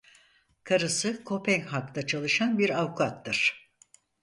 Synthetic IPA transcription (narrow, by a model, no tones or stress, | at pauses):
kʰaɾɯsɯkʰo̞pʰɛŋhakt̪at͡ʃʰalˠɯʃanbiɾawkʰuat̪ːɯɾ̥